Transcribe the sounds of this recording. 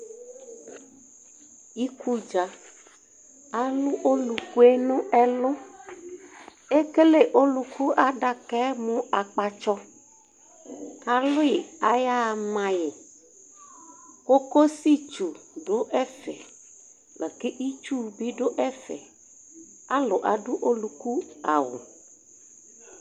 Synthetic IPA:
i˦ku˦d͡ʒa˨ | a˨lu˦ʔo˦lu˨ku˦e˦nũ˦ɛ˦lo˦ | e˦ke˦le˨ʔo˦lu˨ku˦ʔa˨ɖa˨kɛ˦mõ˦a˨k͡pa˨t͡ʃɔ˦ | a˨lo˦je˨a˨ja˦˨mã˨je˨ | ko˦ko˦si˦t͡ʃu˨ɖo˦ʔɛ˦fɛ̰˨ | lɛ˨ke˦ʔi˦t͡ʃu˦bi˦ɖo˦ʔɛ˦fɛ̰˨ | a˦lʊ˨ʔa˨ɖu˦ʔo˦lu˨ku˦a˨wṵ˨

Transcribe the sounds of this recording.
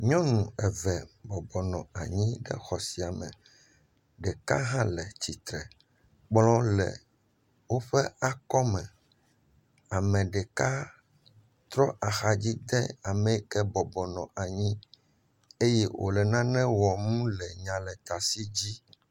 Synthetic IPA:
ɲɔ̃˦nũ˨ɛ˨vɛ˨bɔ˨bɔ˨nɔ̃˨a˨ɲĩ˦ɖɛ̰˦xɔ˨si˨a˨mɛ̰̃˨ | ɖɛ˨ka̰˦ɦã˦lɛ˨t͡ɕi˨t̪ɾɛ˨ | k͡plɔ̃˦lɛ̰˨ | wo˦ɸɛ˦a˦kɔ˦mɛ̃˨ | a˨mɛ̃˨ɖɛ˨ka˦ | t̪ɾɔ˦ʔa˨xa˨d͡ʑi˦d̪ɛ˦a˨mɛ̃˨˦kɛ˦bɔ˨bɔ˨nɔ̃˨a˨ɲĩ˦ | e˦jɛ˦wʔo̰˨lɛ˨nã˦nɛ̃˦wɔ˨m̃ũ˦lɛ˨ɲã˨lɛ˨t̪a˨si˦d͡ʑi˦

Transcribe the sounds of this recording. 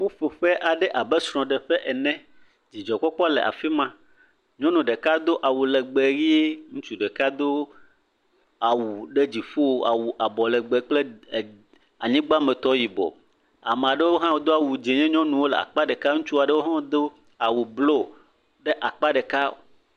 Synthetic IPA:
wo˦fo˨ɸe˦ʔa˨ɖe˦ʔa˨bɛ˦sɾ̃ɔ̃˨ɖe˨ɸɛ˦ʔɛ˨nɛ̃˦ | d͡ʑi˨d͡ʒɔ˨k͡pɔ˦k͡pɔ˦lḛ˨ʔa̰˨fi˦mã˨ | ɲɔ̃˦nũ˨ɖe˨ka˦d̪o˦ʔa˨wu˨le˨ɡ͡be˨ɣi˦e˦ŋũ˦t͡ʃu˦ɖe˨ka˦d̪o˦ | a˨wu˨ɖe˦d͡ʑi˨fo˦wo˦a˨wu˨ʔa˨bɔ˨le˨ɡ͡be˨k͡ple˦˨ | a˨ɲĩ˦ɡ͡ba˦mɛ̃˨t̪ɔ˦ji˨bɔ̰˨ | a˨m̃˨a˨ɖe˦wo˦ɦã˦wo˦d̪o˦a˦wu˨d͡ʒe˨ɲɛ̃˦ɲɔ̃˦nũ˨wo˦lḛ˨a̰˨k͡pa˦ɖe˨ka˦ŋũ˦t͡ʃu˦a˨ɖe˦wo˦ɦã˦d̪o˦ | a˨wu˨blo˦ | ɖe˦ʔa˨k͡pa˦ɖe˨ka˦o̰˨

